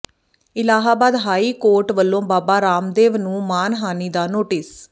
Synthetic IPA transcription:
ɪlaːɦaːbaːd̪ɦaːiːkoːɾʈʋəlːõːbaːbaːɾaːmd̪eːʋnũːmaːnɦaːniːd̪aːnoːʈɪs

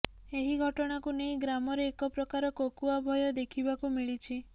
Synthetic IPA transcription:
eɦiɡʱɔʈɔɽ̃akunejɡɾamɔɾeːkɔpɾɔkaɾɔkokuabʱɔjɔd̪ekʰibakumiɭit͡ʃʰi

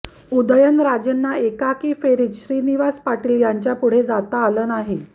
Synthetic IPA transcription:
ud̪əjənɾad͡ʑənːaekakiːfeɾiːt̪ɕɾiːniʋaspaʈiːljaɲt͡ɕjapuɽ̤ed͡zat̪aːləːnaɦi

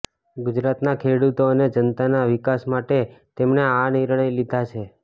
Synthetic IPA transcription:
ɡud͡ʒɾat̪nakʰeɽut̪oəned͡ʒənt̪anaʋikasmaʈet̪emneaniɾɳ̃əjlid̪ʱat͡ʃʰe

